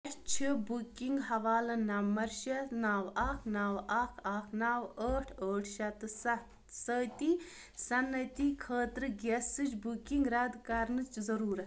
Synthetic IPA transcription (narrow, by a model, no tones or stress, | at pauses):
ʃt͡ʃʰibukiŋɡɦɐʋaːlɐnɐmːɐɾʃɐnaːwɐkʰnawɐkʰɐkʰnaːwəːʈʰəːʈʰʃɐt̪ɨs | səːt̪i | sɐnːɐt̪ikʰəːt̪ɾɨɡʲesɨd͡ʒbukiŋɡɾɐd̪kɐɾnɨt͡ʃzɐɾuːɾɐ